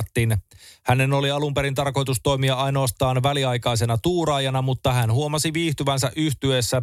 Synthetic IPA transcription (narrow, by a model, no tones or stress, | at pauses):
t̪ːinhæne̞no̞liɑlumpe̞ɾint̪ɑrko̞jt̪ust̪o̞jmiɑɑjno̞ːst̪ɑːnʋæliɑjkɑjs̬e̞nɑt̪uːɾɑːjɑnɑmut̪ːɑhænhuo̞mɑsiʋiːht̪yʋænsæʔyht̪yesːæ